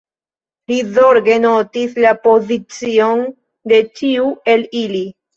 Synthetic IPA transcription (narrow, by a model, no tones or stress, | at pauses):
lizoɾɡe̞no̞tislapo̞zit͡sio̞n | de̞t͡ʃiue̞lili